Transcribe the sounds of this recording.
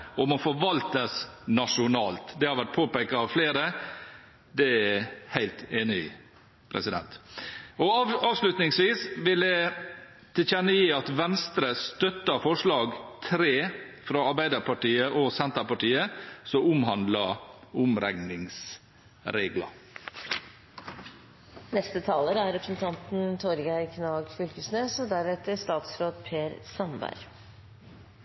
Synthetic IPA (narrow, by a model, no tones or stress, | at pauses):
ɔmɔfɔɾʋɑlt̪əsnɑʂʊnɑːlt̪d̪ɛhɑɾʋæʈ̚pʰoːpeɪkɑɑʋfleːɾə | d̪ɛææhæɪlt̪eːnɪ̰ | pʰɾɛ̰sɪd̪ɛ̰nt̪ɔɑɑːʋslʉt̪nɪŋsʋiːsʋɪld̪ɛ | t̪ʰɪçɛnːəjiːɑt̪ʋɛnst̪ɾəst̪œt̪ːəɾfɔʂlɑːɡt̪ʰɾeːfɾɑːɑɾbæɪd̪əpʰɑʈiːəʔoːsɛnt̪əpɑʈiːəsɔʊmhɑnd̪lɑʔʊmɾɛŋnɪŋs | ɾeːɡlɑ̰ | nɛst̪ət̪ʰɑːləɾæɾɾɛpɾəsənt̪ʰɑnt̪n̩t̪ʰɔɾɡæɪkʰnɑːɡfʏlkəsneːsɔd̪æɾɛt̪əst̪ɑːt̪sɾoːd̪pʰeːɾsɑnbæ̰ɾ